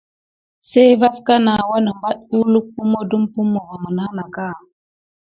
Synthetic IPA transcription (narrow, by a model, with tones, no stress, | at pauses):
se˦jva˦ska˦na˨wa˦nə˨mba˦t̚u˦lu˦k̚pu˦mo˦du˦mpu˦mːo˨va˨mə˨na˦na˨ka˦˨